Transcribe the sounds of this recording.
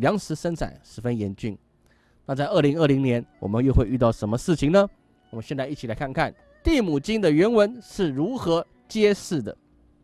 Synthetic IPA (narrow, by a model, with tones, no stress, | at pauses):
ljɑ˧˥ŋʂɻ̩˧˥ʂə˥nt͡sʰa̰˨˩ɪʂɻ̩˧˥fə˥njɛ˧˥nt͡ɕy˥˩ŋ | na˥˧t͡sa˥˧ɪʔə˥˩li˧˥ŋə˥˩li˧˥ŋnjɛ˧˥nwɔ̰˨˩mə˦njo˥˧ʊxwe˥˧ɪy˥˧t̪ɑ˥˩ʊʂə˧˥nmə˧ʂɻ̩˥˩t͡ɕʰi˨ŋnə˨ | wmə˦nɕjɛ˥˧nt͡sa˥˧ɪi˥˩t͡ɕʰi˨˩la˧˥ɪkʰa˥˧nkʰa˥˩n | t̪i˥˩mu˨˩t͡ɕi˥ŋd̪ə˨ɥɛ˧˥nwə˧˥nʂɻ̩˥˩ɻu˧˥xɤ˧˥ | t͡ɕjɛ˥ʂɻ̩˥˩d̪ə̰˩